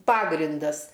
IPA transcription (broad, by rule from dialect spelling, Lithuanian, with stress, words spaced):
ˈpɑːɡrʲɪndɐs